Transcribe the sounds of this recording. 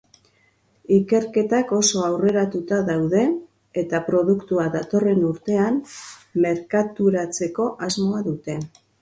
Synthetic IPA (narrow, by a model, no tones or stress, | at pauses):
ike̞ɾke̞t̪ako̞so̞awre̞ɾat̪ut̪aðawðe̞ | et̪apɾo̞ðukt̪uaðat̪o̞re̞nuɾt̪e̞amme̞ɾkat̪uɾat͡se̞ko̞ʔazmo̞aðut̪e̞